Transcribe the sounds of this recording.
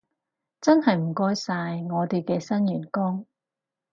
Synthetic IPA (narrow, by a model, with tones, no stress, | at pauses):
t͡sɐ˥nhɐ˨jm̩˨˩kɔː˥jsaː˧jŋɔː˨˧t̪e˨jkɛː˧sɐ˥njyː˨˩nkɔː˥ŋ